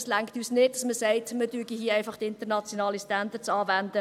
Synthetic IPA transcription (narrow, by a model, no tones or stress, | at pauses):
slæŋktyːsnɪt̚dɑsməsɛɪtmədyəɡiɦiəɛɪfɑχtɪntənɑt͡sjonɑːlistændət͡sɑːvændə